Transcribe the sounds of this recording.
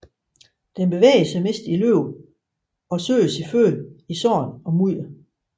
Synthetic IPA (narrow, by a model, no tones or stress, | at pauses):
d̥enb̥e̝ʋḛːəsɑ̈ɪme̝ːsd̥iløʊ | ɒ̽sø̰ːəsifø̰ːlisɒ̰ːnɒ̽muð̰lɐ